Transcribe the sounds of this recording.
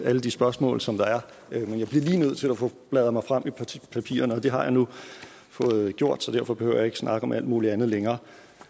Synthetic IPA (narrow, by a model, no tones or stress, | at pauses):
æləd̥isb̥ɶɐsmɔ̰̽ːlsɒ̽md̥ɑ̈æɐ | menjɑ̈ɪ̥liɐ̰liːnøð̰ˠt͡sʰe̝læfɔ̽b̥lɛð̞̩ˠmɑ̈ɪfʁam̰ipʰæpʰḭːɐnəɒ̽d̥e̝ɦɑ̈jɑ̈ɪnu | fɔ̽ːð̩ˠɡ̥jo̝ɐ̰d̥sɒ̽d̥æɐfɒ̽b̥e̝hø̰ʊ̰jɑ̈e̝ɡ̥əsnʔɑ̈ɡ̥əɒ̽mʔæl̰d̥muːliænð̞̩ˠleŋɐː